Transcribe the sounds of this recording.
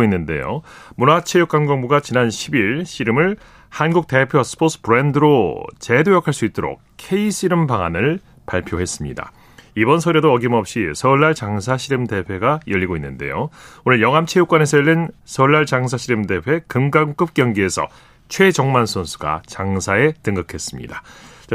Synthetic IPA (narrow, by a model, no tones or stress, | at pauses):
inːɯnde̞̰jo̰munat͡ɕʰe̞juk͈aŋɡʌŋbuɡat͡ɕinanɕʰibiɭɕʰiɾɯmɯɭ | hanɡuk̚t͈e̞pʰjʌsʰɯ̥pʰos͈ʰɯ̥pɯɾe̞ndɯɾot͡ɕe̞dojʌkʰaɭs͈uit̚t͈oɾo̰k̚kʰe̞iɕʰiɾɯmpaŋa̰nɯɭ | paɭpʰjoɦe̞s͈ɯmɲida̰ | ibʌnsʰʌɾedoʌɡimʌp̚ɕ͈isʰʌɭːaɭt͡ɕaŋs̬ʰaɕʰiɾɯmde̞pʰe̞ɡajʌʎːiɡoinːɯnde̞̰joonɯɭjʌŋɦamt͡ɕʰejuk͈wane̞sʰʌjʌʎːinsʰʌɭːaɭt͡ɕaŋs̬ʰaɕʰiɾɯmde̞pʰwe̞kɯmɡaŋk͈ɯp̚k͈jʌŋɡie̞sʰʌ̰ | t͡ɕʰwe̞d͡ʑʌŋmansʰonsʰu̥ɡa̰t͡ɕaŋsʰae̞tɯŋɡɯkʰe̞s͈ɯmɲḭdat͡ɕa